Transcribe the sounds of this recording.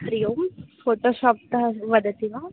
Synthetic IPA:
kɾijoːmfoːʈoʃɔːp̚t̪ɐʋɐd̪t̪iʋa

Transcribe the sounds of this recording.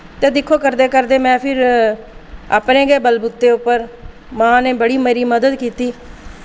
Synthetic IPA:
t̪eːd̪ɪkʰːoːkəɾd̪eːkəɾd̪eːmɛ̃ːpʰɪɾ | a̰ːpnẽːɡɛːbəlbʊt̪ːeːʊpːəɾ | mãːneːbəɽiːməɾiːməd̪əd̪kiːt̪iː

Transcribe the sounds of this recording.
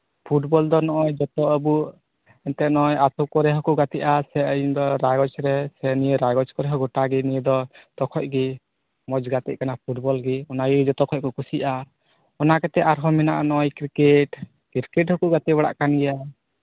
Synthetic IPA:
pʰuʈbɔld̪ɔnɔʔɔjd͡ʒɔt̪ɔʔəbuʔ | ɛnt̪ɛnɔjasɔkɔɾɛɦɔkuʔɡat̪iʔasɛəind̪ɔɾaɡɔt͡ʃɾɛsɛnijəɾaɡɔt͡ʃkɔɾɛɦɔɡɔʈaɡinid̪ɔt̪ɔkʰɔʔ̚ɡi | mɔd͡ʒɡat̪ɛc̚kanapʰuʈbɔlɡiɔnaɡid͡ʒɔt̪ɔkʰɔc̚kɔkusiʔa | ɔnakɛt̪ɛʔaɾɦɔmina̰ʔanɔjkɾikɛʈ | kiɾkɛʈhɔkuʔɡat̪ɛbaɽa̰ʔkanɡɛja

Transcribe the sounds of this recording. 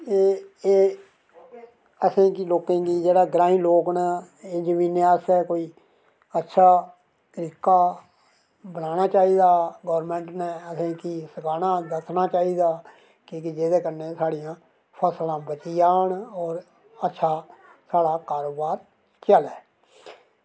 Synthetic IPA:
eːeː | əsẽːkɪloːkẽːɡiːd͡ʒeːɽaːɡɾãːĩːloːknə | eːd͡ʒəmĩːneəsɛːkoːiː | ətːʃʰaː | t̪ɾɪkːaː | bənaːnaːt͡ʃaːiːd̪aːɡɔːɾmɛ̃ːɳʈnɛːəsẽːkisəkaːnãːd̪əkʰnaːt͡ʃaːiːd̪aː | kiːkid͡ʒeːd̪eːkəneːsaːɽijãː | pʰəslãːbət͡ʃiːaːɳɔːɾ | ətːʃʰaː | saːɽaːkaːɾoːbaːɾ | t͡ʃəlɛː

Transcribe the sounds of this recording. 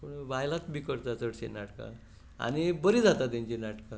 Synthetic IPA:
kõʋajlat̪bʱikəɾt̪at͡səɽɕḛnaʈka̰ | a̰ñibəɾid͡zat̪at̪ãɲt͡ɕinaʈkã

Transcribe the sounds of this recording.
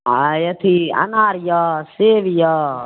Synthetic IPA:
aːjɐt̪ʰiɐ̰naːɾjɔːseːʋijɔː

